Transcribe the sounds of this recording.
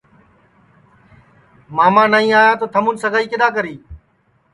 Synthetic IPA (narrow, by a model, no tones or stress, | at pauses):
maːmãːnaːĩːaːjaːt̪oːt̪ʰəmũːnsəɡʱaːiːkɪɗ̪aːk̬əɾiː